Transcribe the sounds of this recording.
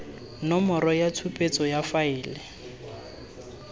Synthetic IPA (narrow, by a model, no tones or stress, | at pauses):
nɔmɔɾɔjatʰupʼet͡sʼɔjafaɪːlɪ